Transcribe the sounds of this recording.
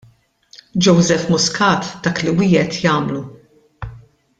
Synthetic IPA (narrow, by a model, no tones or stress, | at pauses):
d͡ʒɔwzɛfmʊskɐːt̪d̪̥ɐːkliwɪːɛt̪jɐːmlu